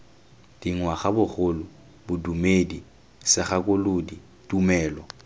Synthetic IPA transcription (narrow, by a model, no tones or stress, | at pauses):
d̥iŋwaχabʊχʊlʊ | bʊdumedi | sɪχakʼʊlodi | tʼumɛːlɔ